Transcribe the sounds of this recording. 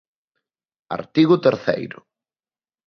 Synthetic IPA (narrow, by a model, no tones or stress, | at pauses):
a̰ɾt̪iɣʊt̪eɾθḛjɾʊ